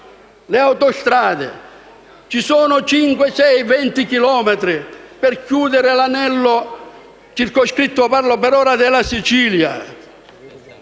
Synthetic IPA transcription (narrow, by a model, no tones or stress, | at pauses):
leawt̪ɔst̪ɾaːd̪ḛ | t͡ʃisɔːnʊt͡ʃiŋkwesɛjvɛnt̪ikilɔːmɛt̪ɾɪpɛrkjuːd̪eɾɪlanɛlːʊ | t͡ʃirkoskɾit̪ːʊparlopɛɾɔːɾad̪ɪlasit͡ʃiːlja̰